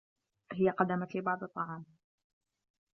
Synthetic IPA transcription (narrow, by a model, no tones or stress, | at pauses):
ɦɪjaqɑd̪amat̪lɪbɑʕd̪ˤɨt̪ˤːɑʕɑːm